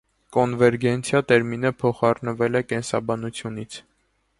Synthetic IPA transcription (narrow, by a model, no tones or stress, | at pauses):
kɔnvɛɾɡɛnt͡sʰjɑt̪ɛɾminəpʰɔχɑrnəvɛlɛkɛnsɑ̰bɑnut͡sʰjunit͡sʰ